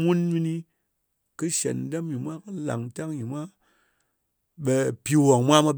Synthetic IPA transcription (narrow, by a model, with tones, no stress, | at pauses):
mu˦nmi˧ni˧ | kɨ˦ʃḛ˨n˨˦de˦mji˨mʷa˦kɨ˦la̰˨ŋ˨ta˦ŋji˨mʷ˦a˦ | ɓe˧pi˧wo˨ŋmʷa˦ma˧